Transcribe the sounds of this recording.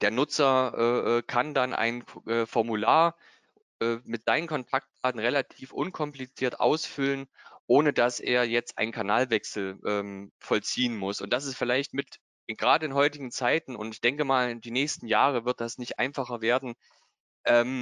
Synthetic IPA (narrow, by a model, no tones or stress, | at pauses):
d̥eːɐnʊt͡sɐʔɛːʔɛːkʰandanʔa̰ɪnʔɛːfɔɐmulaːɐ | ʔɛːmɪtz̥aɪnənkʰɔntʰak̚t̚b̥aːdn̩ʁelatʰiːfʔʊ̰nkʰɔmplit͡siːɐtʔa̰ʊsfʏlənʔoːnədasʔḛːɐjɛt͡stʔa̰ɪnkʰanaːlvɛksl̩ʔɛːmfɔlt͡siːənmʊsʊntd̥as̬ɛsfɪlaɪçtmɪt | ɪɡ̥ʁaːdəɪnɦɔʏtɪɡŋ̩t͡saɪtn̩ʊ̰ntɪçd̥ɛŋkəmaːld̥iːnɛːçstn̩jaːʁəvɪɐt̚d̥asnɪçtʔa̰ɪnfaχɐveːɐdn̩ | ʔɛːm